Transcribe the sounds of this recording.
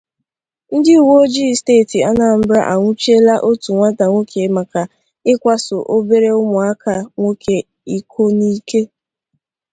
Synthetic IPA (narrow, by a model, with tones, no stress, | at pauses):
n̩˦dɪ˦u˨wo˦d͡ʒi˦steː˦˨ti˨a˦na˨m̩˦bɾa˦ʔa˨ŋʷʊ˦t͡ʃe˦la˦ʔo˦tu˨ŋʷa˦ta˨ŋʷo˦kʰe˨ma˨ka˨ | ɪ˦kʷa˦sʊ˨ʔo˦be˦ɾe˦ʊ˦mʊ˨a˦ka˨ŋʷo˦ke˨ | i˨kʰo˦ni˦ke˦